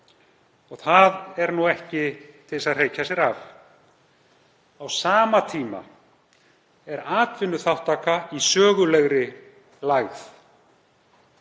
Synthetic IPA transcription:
ɔɣθaðɛɾnuɛhcɪt̪ʰɪlɪsaðr̥eːjcasjɛɾav | awsaːmat̪ʰiːma̰ | ɛɾaːt̪vɪnːʏθawht̪ːaːkaisœːɣʏlɛɣɾɪ | laɣθ

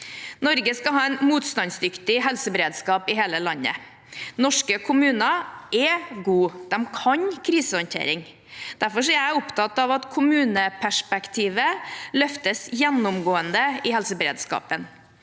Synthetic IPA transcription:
nɔɾɡəskɑɦɑːɛnmuːt̪st̪ɑnsd̪ʏkt̪ɪɦɛlsəbɛɾeːd̪skɑːpɪɦeːləlɑnːə̰ | nɔʂkəkʰʊmʉːnɑɛɡuːd̪̥ɛmkʰɑɲkʰɾiːsəɔnt̪ʰḛːɾɪŋ | d̪̥æɾfɔʂɔɛɾjæɪʊpt̪ʰɑt̪ɑʋɑt̪kʰʊmʉːnəpʰæʂpɛkt̪ʰiːʋəlœft̪əsjɛnːʊmɡoːənd̪əɪhɛlsəbəɾḛːd̪skɑ̰ːpən

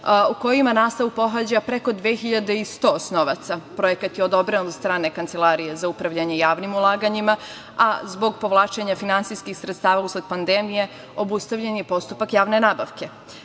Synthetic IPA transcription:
uko̞jimanaːst̪aʋupo̞ɦad͡ʑapɾe̞ko̞d̪ʋeːxiʎad̪eist̪o̞ːsnoʋat̪sapɾo̞je̞kat̪jeod̪o̞bɾenzst̪ɾaːne̞kant̪se̞lˠaːɾijezaupɾaʋʎaɲejaːʋnimulˠaːɡaɲima | azbo̞ɡpo̞ʋlˠaːt͡ʃeɲafinant̪sijskixsɾet̪st̪aːʋausled̪̚pand̪emije̞ | o̞bust̪aʋʎenjepo̞st̪upakjaːʋne̞naːbaʋke̞

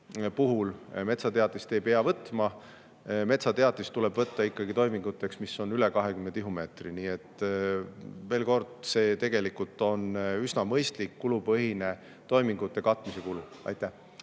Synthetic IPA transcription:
puɦulme̞t̪sɑt̪eɑt̪ːist̪ejb̥eɑvɤt̪ːˑmɑ | me̞t̪sɑt̪e̞ɑt̪ːˑist̪ːule̞b̥vɤt̪ːɑikːɑɡ̥it̪o̞jmiŋɡut̪ːˑe̞ksmiso̞nyle̞kɑɦekymːed̪iɦume̞ːt̪riniːet̪ːˑ | ve̞ːlko̞rd̪̥se̞ːt̪e̞ɡ̥e̞likult̪ːˑo̞nysnɑmɤjst̪likːulupɤɦine̞ | t̪o̞jmiŋɡ̥ut̪ːˑe̞kɑt̪ːˑmise̞kulu | ɑ̰jt̪ːˑæh

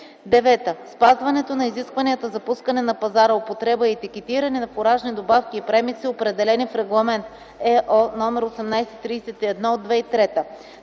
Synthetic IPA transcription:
d̪ɛvɛt̪əspazvɐnɛt̪onɐiziskvɐniət̪əzɐpuskɐnɛnɐpɐzaɾəopot̪ɾɛbəiɛt̪ikɛt̪iɾɐnɛnɐpoɾaʒnid̪obafkʲiːpɾɛmik̪siopɾɛd̪ɛlɛnifɾɛɡlˠɐmɛnt̪ | ɛʔɔnɔmɛɾosɛmnajsɛt̪ɾiːsɛt̪iɛd̪nɔod̪ːvɛit̪ɾɛt̪ə

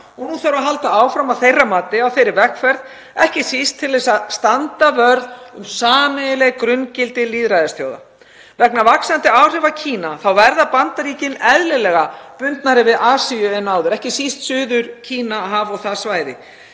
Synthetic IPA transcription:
ɔɣnuθaɾaɦalt̪aaːwfɾamaθejrːamaːt̪ɪawθejɾɪɾvɛkfɛɾð | ɛhcɪsist̪ʰːɪlvɛsaðst̪ant̪avœɾðʏmsaːmɪɪlɛɣkɾʏncɪlt̪ɪliːðɾajðɪst̪ʰjo̰wða̰ | vɛknavaksant̪ɪawr̥ɪvacʰiːnaθawvɛɾðapant̪aɾiːcɪnɛðlɪlɛɣapʏnt̪naɾɪvɪðaːsiʏɛnːaːwðʏɾɛhcɪsist̪sʏːðʏɾcʰiːnaɦavɔɣθaðsvaːjðɪ̰

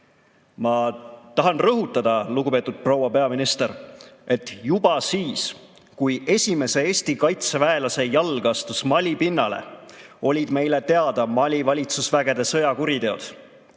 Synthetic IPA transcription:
mɑt̪ɑɦɑnrɤɦut̪ːˑɑd̪̥ɑluɡupe̞ːt̪ːud̪̥̚pro̞wɑpe̞ɑminist̪e̞ɾe̞t̪ːˑjub̥ɑsiːs | kuje̞sʲime̞se̞eːsʲt̪ikɑjt̪sevæelɑse̞jɑlɡ̥ɑst̪usmɑlʲipinːɑle̞̰o̞lʲid̪̥me̞jle̞t̪e̞ɑd̪̥ɑmɑlʲivɑlʲit̪susvæɡ̥e̞d̪̥e̞sɤ̞jɑkuɾit̪e̞o̞d̪̥

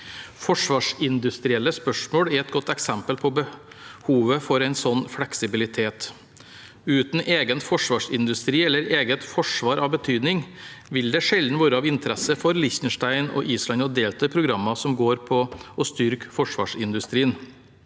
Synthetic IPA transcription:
fɔʂʋɑːʂɪnd̪ʉst̪ɾɪɛlːəspœʂmoːɽɛɾɛt̪̚ɡɔt̪ːɛksɛmpəlpʰɔbəhuːʋəfɔɾæɪnsɔnːfɽɛksɪbɪlɪt̪ʰeːt̪ | ʉːt̪n̩ʔeːɡənt̪fɔʂʋɑːʂɪnd̪ʉst̪ɾiːɛlːəɾeːɡət̪fɔʂʋɑːɾʔɑʋbət̪ʰyːd̪nɪŋʋɪld̪ɛʂɛld̪n̩ʋoːɾəɑʋɪnt̪ʰəɾɛsəfɔɾlɪçt̪n̩ʂʈæɪnɔ̰ʔiːslɑnɔd̪eːlt̪ʰɑpʰɾʊɡɾɑmːɑsɔmɡoːɾpʰɔɔst̪ʏɾkfɔʂʋɑ̰ːʂɪnd̪ʉst̪ɾiːən

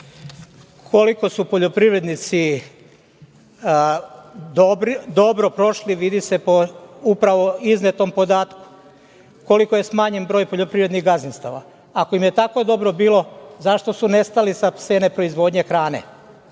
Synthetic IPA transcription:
kʰo̞liko̞supo̞ʎopɾiʋɾe̞d̪nit̪si | d̪obɾd̪o̞bɾopɾo̞ʃliʋid̪ise̞poupɾaʋo̞iznet̪o̞mpo̞d̪aːt̪ku̥ | ko̞liko̞je̞smaɲenbɾojpo̞ʎo̞pɾiʋɾeniɣɡazinst̪aʋa̰ | ako̞imjet̪ako̞d̪o̞bɾo̞biːlˠo̞zaʃt̪o̞sune̞st̪alisapse̞ːnepɾo̞izʋo̞d̪ɲe̞xɾaːne̞̰

